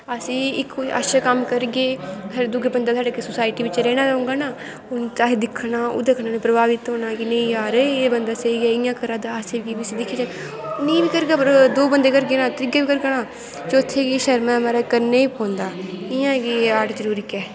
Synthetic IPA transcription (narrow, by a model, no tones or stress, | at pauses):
əsĩːɪka̰ʃaːkəmkəɾɡeːad̪ʊɡebənd̪aːt̪ʰaːɖaːkesʊsaːɪʈiːʋɪt͡ʃɾɛːɽ̃ãːd͡ʒaːʊ̃ŋɡaːnaː | ʊnt̪aːsid̪ɪkʰːnaːo̰ːd̪ekʰːnãːnũːpɾəbaːʋɪt̪ɦoːnaːkinẽĩːjaːɾeːbənd̪aːsəiːɡɛːɪjãːkəɾãːd̪aːəseːɡiːbiəsĩːd̪ɪkʰːiːd͡ʒaːn | nĩːbiːkəɾɡaːpəɾd̪oːbənd̪eːkəɾɡeːnãːt̪əɾɪɡaːbiːkəɾɡəɽãː | t͡ʃʊt̪ʰːeːkiːʃəɾmɛ̃ːmaːɾaːkəɾneːiːpõːnd̪aːɪjãːɡiːaːʈd͡ʒəɾuːɾiːkɛː